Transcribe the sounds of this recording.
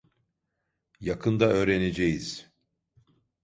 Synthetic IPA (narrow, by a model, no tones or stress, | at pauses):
jakʰɯnd̪aø̞ːɾened͡ʒejiz̥